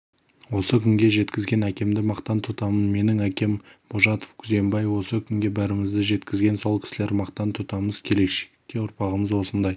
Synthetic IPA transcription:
wo̞səkʲʰʏŋɡʲe̞ʒe̞t̪kʲɪzɡʲe̞nækʲe̞md̪ɪmɑqt̪ɑnt̪ʰʊt̪ɑmənme̞nɪŋækʲe̞mb̥oʒɑt̪o̥fkʲʰʏze̞mbɑjwo̞səkʲʰʏŋɡʲe̞bæɾɪmɪzd̪ɪʒe̞t̪kʲɪzɡʲe̞nso̞lˠkʲʰɪ̥sɪle̞ɾmɑqt̪ɑnt̪ʰʊt̪ɑməzkʲʰe̞le̞kʃe̥kk̪ʲːeʊɾpɑʁəməzwo̞sənd̪ɑj

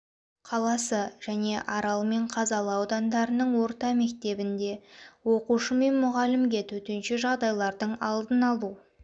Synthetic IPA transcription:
qʰɑlˠɑsəʒ̥æne̞ʔɑɾɑlˠme̞ɴqʰɑzɑlˠəːwd̪ɑnd̪ɑɾənəɴwo̞ɾt̪ɑme̞kt̪e̞bɪnd̪e̞wo̞quʃəme̞nmʊʁɑlɪmɡʲe̞t̪ʰɵt̪ɪnʃɪʒɑʁd̪ɑjlˠɑɾd̪əɴɑ̰lˠd̪ənɑlˠu

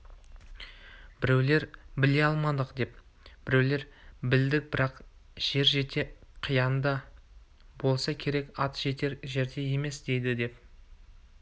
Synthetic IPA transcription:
b̥ɪɾe̞wle̞ɾbɪle̞jɑlˠmɑd̪əqd̪e̞p | b̥ɪɾe̞wle̞ɾbɪld̪ɪk̚bɪɾɑq | ʒ̥e̞ɾʒe̞t̪e̞qʰijɑnd̪ɑ | bo̞lˠsɑkʲʰe̞ɾe̞kɑt̪ʒ̥e̞t̪e̞ɾʒe̞ɾd̪e̞je̞me̞sd̪̥e̞jd̪ɪd̪e̞p

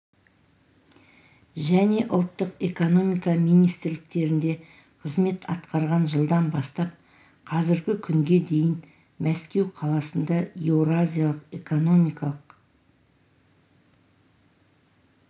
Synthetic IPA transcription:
ʒæne̞ʔʊlˠt̪ːəqe̞ko̞no̞mijkɑmijnijst̪ɪɾlɪk̚t̪e̞ɾɪnd̪e̞ | qʰəzme̞t̪ʰɑt̪qɑɾʁɑnʒəlˠd̪ɑnbɑst̪ɑp̚ | qʰɑzɪɾɡʲɪkʲʰʏŋɡʲe̞d̪e̞jɪn | mæskʲe̞wqʰɑlˠɑsənd̪ɑjewɾazʲijalˠəqe̞ko̞no̞mijkɑlˠəq

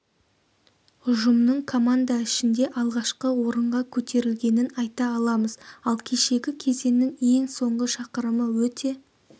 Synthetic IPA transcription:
ʊʒəmnəɴkʰo̞mand̪aɪʃɪnd̪e̞ʔɑlˠʁɑʃqəwo̞ɾəɴʁɑkʲʰɵt̪ʰe̞ɾɪlɡʲe̞nɪnɑjt̪ɑːlˠɑməzɑlˠkʲʰe̞ʃe̞ɡʲɪkʲʰe̞ze̞nːɪŋe̞ŋso̞ɴʁəʃɑqəɾəməwɵt̪e̞

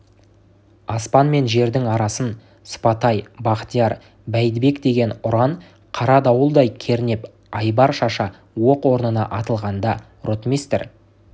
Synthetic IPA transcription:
ɑspɑnme̞nʒe̞ɾd̪ɪŋɑɾɑsən | sʊ̥pɑt̪ɑjbɑqt̪ijɑɾ | bæjd̪be̞kd̪e̞ɡʲe̞nʊɾɑn | qʰɑɾɑd̪ɑwəlˠd̪ɑjkʲʰe̞ɾɪne̞p | ɑjbɑɾʃɑʃɑ | wo̞qwo̞ɾnənɑ̰ʔɑt̪əlˠʁɑnd̪ɑ | rot̪mist̪ḛɾ

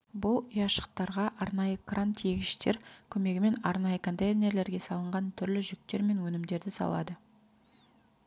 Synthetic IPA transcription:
bʊlˠijɑʃə̥q̚t̪ɑɾʁɑʔɑɾnɑjəkrant̪ʰijeɡʲɪʃt̪e̞ɾkʲʰɵme̞ɡʲɪme̞nɑɾnɑjəkʰo̞nt̪ejnʲe̞ɾle̞ɾɡʲe̞sɑlˠəɴʁɑnt̪ʰʏɾlɪʒʏk̚t̪e̞ɾme̞nwɵnɪmd̪e̞ɾd̪ɪsɑ̰lˠɑ̰d̪ə

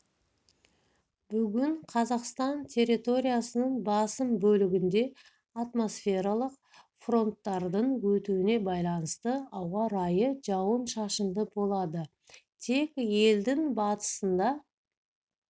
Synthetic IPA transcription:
bʏɡʲɪɴqʰɑzɑqst̪ɑnt̪ʲʰe̞rːit̪o̞ɾʲijasənəɴbɑsəmbɵlɪɡʲɪnd̪e̞ | at̪mo̞sfʲe̞ɾɑlˠəq̚ | fro̞nt̪ːɑɾd̪əɴwɵt̪uɪne̞bɑjlˠɑnəst̪əɑwʁɑɾɑjəʒɑwənʃɑʃənd̪əbo̞lˠɑd̪ə | t̪ʰe̞kʲje̞ld̪ɪŋbɑt̪ə̥sənd̪ɑ

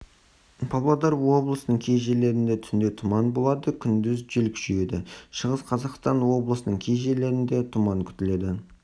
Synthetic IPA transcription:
pʰɑblˠɑd̪ɑɾwo̞blˠəsənəɴkʲʰejʒe̞le̞ɾɪnd̪e̞t̪ʰʏnd̪e̞t̪ʰʊmɑnbo̞lˠɑd̪əkʲʰʏnd̪ɪzʒelkʒyje̞d̪ɪʃəʁəsqʰɑzɑqst̪ɑnwo̞blˠəsənəɴkʲʰejʒele̞ɾɪnd̪e̞t̪ʰʊmɑŋkʲʰʏ̥t̪ɪle̞d̪ɪ

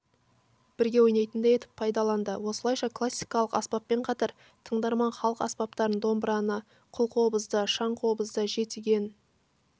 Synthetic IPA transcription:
b̥ɪɾɡʲe̞wojnɑjt̪ənd̪eje̞t̪ɪ̥pʰːɑjd̪ɑlˠɑnd̪əwo̞səlˠɑjʃɑkʰlˠasːijkɑlˠəqɑspɑpːe̞ɴqʰɑt̪ɑɾ | t̪ʰəɴd̪ɑɾmɑɴχɑlˠəqɑspɑp̚t̪ɑɾənd̪o̞mbɾɑnə | qʰʊlˠqʰo̞bəzd̪əʃɑɴqʰo̞bəzd̪əʒe̞t̪ɪɡʲe̞n

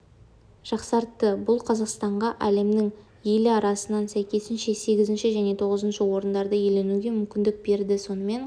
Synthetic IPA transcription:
ʒ̥ɑqsɑɾt̪ːəbʊlˠqʰɑzɑqst̪ɑɴʁɑʔæle̞mnɪŋ | je̞lɪɑɾɑsənɑnsæjkʲe̞sɪnʃe̞se̞ɡʲɪzɪnʃɪʒæne̞t̪ʰo̞ʁəzənʃəwo̞ɾənd̪ɑɾd̪əje̞le̞nuɡʲe̞mʏmkʲɪnd̪ɪk̚be̞ɾd̪ɪso̞nəme̞n

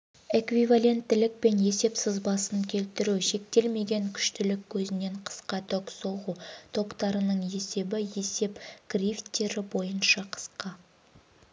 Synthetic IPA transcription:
ekvivalʲe̞nt̪ːɪlɪk̚pe̞nje̞se̞psɪzbɑsəŋkʲʰe̞lt̪ɪɾuʃe̞k̚t̪e̞lme̞ɡʲe̞ŋkʲʰʏ̥ʃt̪ɪlɪkʲʰːɵzɪne̞ɴqʰə̥sqɑt̪ʰɵkso̞ʁut̪ʰo̞qt̪ɑɾənəɴe̞se̞bɪje̞se̞pɡ̥rʲift̪ːe̞ɾɪbo̞jənʃɑqʰə̥sqɑ

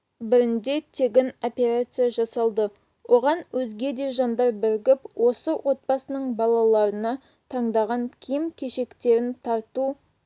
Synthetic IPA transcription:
bɪɾɪnd̪e̞t̪ʰe̞ɡʲɪno̞pʲe̞ɾat̪sɨjaʒɑsɑlˠd̪ə | wʔo̞ʁɑnwɵzɡʲe̞d̪e̞ʒɑnd̪ɑɾbɪɾɡʲɪpwʔo̞səwʔo̞t̪̚pɑsənəɴbɑlˠɑlˠɑɾənɑ | t̪ʰɑɴd̪ɑʁɑŋkʲʰijɪmkʲʰe̞ʃe̞kt̪e̞ɾɪnt̪ʰɑɾt̪u

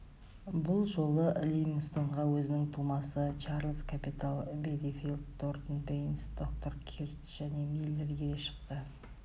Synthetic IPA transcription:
bʊlˠʒo̞lˠəʔlʲijmiŋst̪o̞ɴʁɑwɵzɪnɪŋt̪ʰulˠmɑsət͡ʃʰɑɾlˠzkʰapit̪alˠbed̪efilˠd̪̚d̪o̞rt̪ənbejnsd̪̥ok̚t̪o̞rkʲʰiɾt͡ʃʒ̥æne̞milʲːeɾɡʲeɡ̪eʃə̥qt̪ə

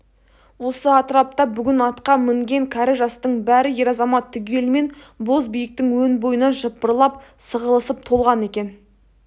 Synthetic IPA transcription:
wo̞səɑt̪əɾɑp̚t̪ɑbʏɡʲɪnɑt̪qɑmɪŋɡʲe̞ŋkʲʰæɾɪʒɑst̪əɴbæɾɪje̞ɾɑzɑmɑt̪ʰːʏɡʲe̞lɪme̞n | bo̞zbijək̚t̪ɪŋwɵnbo̞jənɑʒəp̚ːəɾlˠɑpsəʁəlˠəsəp̚t̪ʰo̞lˠʁɑne̞kʲen

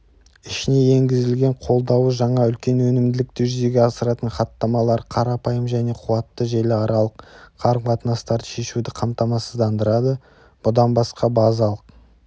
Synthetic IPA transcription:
ɪʃɪne̞je̞ŋɡʲɪzɪlɡʲe̞ɴqʰo̞lˠd̪ɑwəʒɑɴɑʏlkʲe̞nwɵnɪmd̪ɪlɪk̚t̪ɪʒʏze̞ɡʲe̞ɑsəɾɑt̪əɴχɑt̪ːɑmɑlˠɑɾqʰɑɾɑpɑjəmʒæne̞qʰʊwɑt̪ːəʒelʲɪɑɾɑlˠəqqʰɑɾɴbɑt̪ənɑst̪ɑɾd̪əʃe̞ʃud̪ɪqʰɑmt̪ɑmɑsəzd̪ɑnd̪əɾɑd̪ə | b̥ʊd̪ɑnbɑsqɑbɑzɑlˠəq

